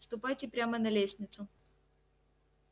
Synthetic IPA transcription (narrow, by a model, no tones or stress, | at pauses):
st̪ʊpajtʲɪpɾʲamənɐlʲesʲnʲɪt̪sʊ